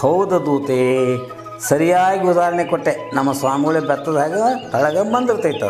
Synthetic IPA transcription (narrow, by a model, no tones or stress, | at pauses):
hɐwd̪ɐd̪uːt̪eː | sɐɾijaːɡiud̪aːɾɐɳekɔʈːenɐmːɐsʋaːmiɡɐɭebɐt̪ːɐd̪ɦaːɡet̪ɐɭɐɡɐmɐnd̪iɾt̪ːɐit̪ːɐ̰